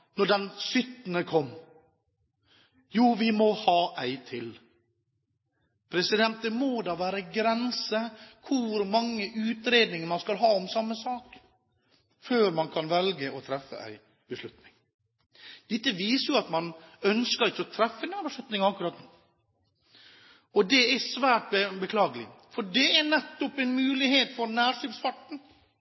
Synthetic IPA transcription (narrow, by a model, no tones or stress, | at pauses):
nɔɖɛnsʏt̪nəkʰɔmː | juːʋɪmɔhɑːʔæɪt̪ʰɪl | pʰɾɛsɪd̪ɛnt̪əmoːd̪ɑʋæːɾəɡɾɛnsəkʰʊɾmɑŋːəʔʉːt̪ɾeːd̪nɪŋəɾmɑnskɑlɦɑːɔmsɑmːəsɑːk | føːɾmɑnkʰɑnʋɛlɡəɔt̪ʰɾɛfːə̰æ̰ɪ | bəslʉt̪nɪŋ | d̪̥ɛt̪ːəʋiːsəɾjʊɑt̪mɑnœnskəɾɪçːəɔt̪ʰɾɛfːəɛnæːbəʂlʉt̪nɪŋɑkːɾɑːt̪ | ɔd̪ɛæsʋæːʈ̚bəbəkʰlɑːɡəlɪ̰ | fɔɖɛænɛt̪ːɔpɛnmʉːlɪheːt̪fɔɾnæːʂɪpspɑʈɳ̩